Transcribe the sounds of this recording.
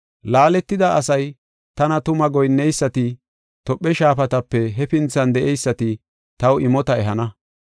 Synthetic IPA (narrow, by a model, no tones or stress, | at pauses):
laːlɛt̪ːɪd̪ɐʔɐsɐj | t̪ɐnɐt̪ʊmɐɡɔjnːɛjsːɐt̪ɪ | t̪ɔpʼːɛʃaːfɐt̪ɐpːɛɦɛfɪnt͡sːɐnd̪ɛʔɛjsːɐt̪ɪ | t̪ɐwɪmɔt̪ɐɛɦɐnɐ